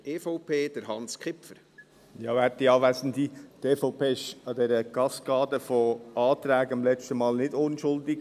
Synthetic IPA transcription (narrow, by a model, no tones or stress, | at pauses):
eːfɔʊpʰeːd̥əɾɦɑnskχɪpəɾ | jɑːæt̪ːiɑːʋæsn̩dit̪eːfɔʊpeːɪʃɑd̪ɛɾəɡ̥ɑskɑːdəfɔʔɑːtɾæːɡɪmlɛt͡ʃtəmɑːlnɪdʊnʃʊldɪɡ